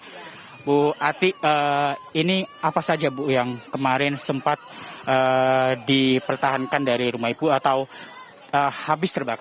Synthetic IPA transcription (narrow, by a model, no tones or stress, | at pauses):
buat̪iəiniapasad͡ʒabujaŋkəmaɾɪnsəmpat̪̚əːdipərt̪aɦankandaɾiɾumaipuat̪aw | əhabɪst̪ərbaka